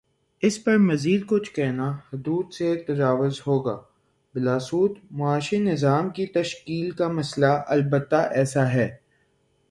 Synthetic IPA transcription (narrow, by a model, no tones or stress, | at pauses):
ɪspɐɾmɐziːd̪̚kʊt͡ʃʰkɛɦnahʊd̪uːd̪set̪ɐd͡ʒaːʋʊzɦoːɡaː | bɪlaːsuːt̪mʊaːʃinɪzaːmkit̪ɐʃkiːlkamɐslaʔɐlbət̪ːaʔɛːsaɦɛː